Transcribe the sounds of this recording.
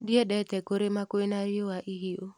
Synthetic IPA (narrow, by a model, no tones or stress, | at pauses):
diedɛtɛkoɾemakʊenaɾɪowaʔiɦio